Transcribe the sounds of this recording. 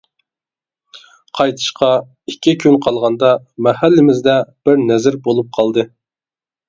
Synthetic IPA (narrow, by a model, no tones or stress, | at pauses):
qʰɑjt̪ʰɨ̥ʃqɑ | ikʲʰːikʲʰynqʰɑlˠʁɑnd̪ɑ | mɛhælːɪmɪzd̪ɛb̥ɪɾnɛzɪɾbolˠup̚qʰɑlˠd̪ɨ